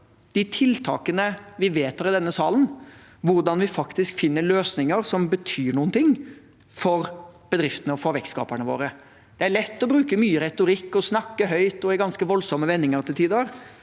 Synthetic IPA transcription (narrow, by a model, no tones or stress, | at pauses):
d̪̥ɪt̪ʰɪlt̪ʰɑ̰ːkənəʋɪʋeːt̪hɑɾɪd̪ɛnːəsɑ̰ːlən | ʋʊɾɖ̪ɑnʋɪfɑkt̪ɪskfɪnːəɭøːsnɪŋəɾsɔmbət̪ʰyːɳuːənt̪ʰɪŋː | fɔɾb̥əd̪ɾɪft̪ənəɔfɔɾʋɛkskɑ̰ːpəɳəʋo̰ːɾə | d̪̥ɛæɭɛt̪ːɔbɾʉːkəmyːəɾɛt̪ʊɾɪkːɔsnɑkːəɦœʏt̪ɔæɡɑnskəʋɔlsɔmːəʋɛnːɪŋəɾt̪ʰɪlt̪ʰiːd̪əɾ